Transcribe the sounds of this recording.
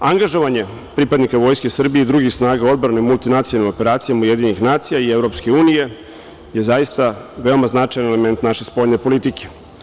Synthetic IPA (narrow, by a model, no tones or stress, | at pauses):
aŋɡaʒo̞ʋaɲe̞ | pɾipad̪nikaʋo̞ːjskesr̩bijeid̪ɾuɡixsnaːɡaod̪̚bɾanemulˠt̪inat̪sialnimo̞pe̞ɾaːt̪sijamauje̞d̪iɲenixnaːt̪sijaievɾo̞pske̞uːnije̞ | jezajist̪aʋe̞o̞maznat͡ʂajanele̞me̞nt̪naʃespo̞ʎnepo̞lit̪ikʰe̥